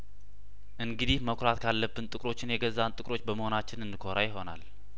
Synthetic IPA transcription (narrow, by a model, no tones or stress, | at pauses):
ʔɨŋɡɨd̪ihməkʰɾat̪kʰalːəbːɨnt̪ʼɨkʼɾo̞t͡ʃːɪnjɛɡəzːant̪ʼɨkʼɾo̞t͡ʃːbəməho̞nat͡ʃːɪnɨndɨkʰo̞ɾajɪɦo̞na̰l